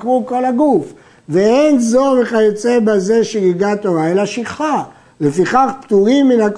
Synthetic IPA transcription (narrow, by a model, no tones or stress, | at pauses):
kʁuko̞laɡuf | veenzo̞meχajot͡sebaze̞ʃiɡiɡat̪o̞ʁaelaʃiχa | lefiχaχpt̪uʁimːinak